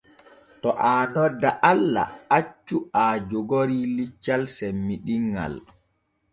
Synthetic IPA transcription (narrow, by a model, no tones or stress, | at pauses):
tɔʔaːnɔdːaʔalːa̰at͡ʃːuad͡ʒɔɡoɾilit͡ʃːalsɛmːiɗiŋɡa̰l